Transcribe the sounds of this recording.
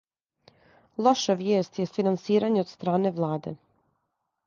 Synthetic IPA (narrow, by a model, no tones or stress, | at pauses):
lˠo̞ʃaʋjeːst̪jest̪finansiːɾaɲeod̪st̪ɾaːne̞ʋlˠaːd̪ḛ